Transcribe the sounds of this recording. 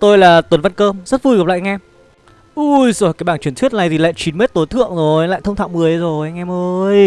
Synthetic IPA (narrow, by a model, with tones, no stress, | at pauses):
t̪o˧jlaː˨˩t̪wə˨˩nva˧nkəː˧mzə˦˥t̚vu˧jɣa˨˩p̚la̰˧˨ʔŋʔɛ˧m | ʔu˧jzoː˨˩jkaː˨˦jɓaː˧˩nt͡ɕi˨˧˩nt̪wi˦˥ət̚na˨˩jt̪ʰi˨˩la̰ː˧˨jt͡ɕi˨˦nme˦˥t̚t̪o˨˦jt̪ʰɨ̰˧˨əŋzo˨˩jla̰ː˧˨t̪ʰə˧wŋ͡mt̪ʰa̰˧˨wmɨ˨˩əjzo˨˩jʔa˧ŋ̟ʔɛ˧mʔəː˧j